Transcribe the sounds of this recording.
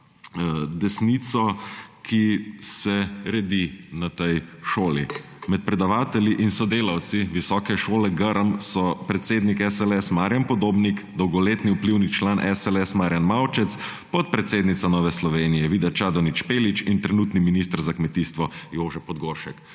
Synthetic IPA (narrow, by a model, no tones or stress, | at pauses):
d̪ɛsnit̪sɔkʰisɛɾɛd̪inat̪ɛjʃoːlimɛt̪̚pɾɛd̪aʋaːt̪ɛliʔinsɔd̪eːlawt̪siʋisɔːkɛʃoːlɛɡəɾəmsɔpɾɛt̪seːd̪nikɛsɛlɛsmaːɾjampɔd̪oːbnikd̪ɔwɡɔleːt̪niupliwnit͡ʃlaːnʔɛsɛlɛsmaːɾjanmawt͡ʃɛt̪spɔt̪̚pɾɛt̪seːd̪nit̪sanɔːʋɛslɔʋeːnijɛʋiːd̪at͡ʃad̪ɔnit͡ʃpeːlit͡ʃint̪ɾɛnuːt̪niminis̬t̪əɾzakmɛt̪iːst̪ʋɔjoːʒɛpɔd̪ɡoːɾʃɛk